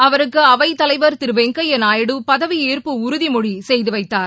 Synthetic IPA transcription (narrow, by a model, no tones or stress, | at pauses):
ɐʋɐɾɯkːɯɐʋɐɪt̪ːɐlɐɪʋɐɾt̪ɪɾɯʋeŋkɐjɛnaːjɪɽɯpɐðɐʋieːɾpɯʊɾʊðimɔɻisɛjðɯʋɐɪt̪ːaːɾ